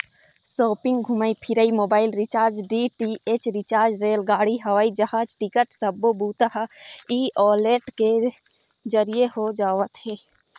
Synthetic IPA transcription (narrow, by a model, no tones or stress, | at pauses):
soːpɪ̃ŋɡɡʱuməipʰɪɾəimoːbaːɪlɾɪt͡ʃaːɾd͡ʒɖiʈieːt͡ʃɾɪt͡ʃaːɾd͡ʒɾeːlɡaːɽiɦɐʋaːid͡ʒəhaːd͡ʒʈɪkəʈsəbobuːt̪aɦiːɔːleːʈke | zəɾijehod͡ʒaːʋət̪ɦɛː